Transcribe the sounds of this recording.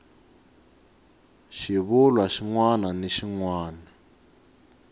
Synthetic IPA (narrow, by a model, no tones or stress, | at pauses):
ʃiβulwaʃiŋwananeʃiŋwaːna